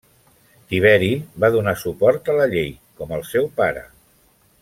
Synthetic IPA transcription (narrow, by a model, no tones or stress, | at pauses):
t̪iβ̞ɛɾiβaðunasupɔɾt̪ələʎej | kɔməlˠsɛwpaɾə̰